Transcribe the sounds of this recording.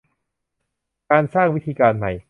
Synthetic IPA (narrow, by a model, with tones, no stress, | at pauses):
kaː˧nsaː˥˩ŋwi˦˥t̪ʰiː˧kaː˧nma˨˩j